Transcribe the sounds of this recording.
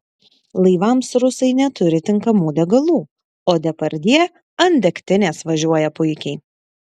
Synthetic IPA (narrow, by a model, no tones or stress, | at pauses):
lˠɐɪʋɐmsɾʊsɐɪnʲɛt̪ʊɾʲɪt̪ʲɪŋkɐmuːd̪ʲɛɡɐlˠuː | oːd̪ʲɛpɐɾʲd̪ʲiɛ | ɐnʲd̪ʲɛkt̪ʲɪnʲeːsʋɐʒʲuɔjɛpʊɪkʲɛɪ